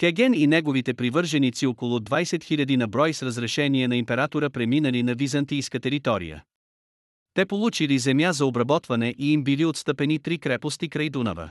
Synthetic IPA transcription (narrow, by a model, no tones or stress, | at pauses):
kɛɡɛninɛɡovit̪ɛpɾivɤɾʒɛnit̪siokolˠʊd̪vajsɛt̪xilʲɐd̪inɐbɾɔjsɾəzɾɛʃɛniɛnɐimpɛɾat̪oɾəpɾɛminəlinɐvizɐnt̪ijskət̪ɛɾit̪ɔɾḭjə̰ | t̪ɛpolˠut͡ʃilizɛmjazɐobɾɐbɔt̪vɐnɛʔiimbiliot̪st̪əpɛnit̪ɾikɾɛpost̪ikɾɐjd̪unə̰və̰